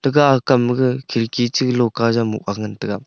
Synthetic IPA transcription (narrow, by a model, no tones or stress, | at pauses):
tɯɡaːkamɯɡɯkʰiɾkit͡ʃɯklɔkazamṵk̚aŋɯntɯɡa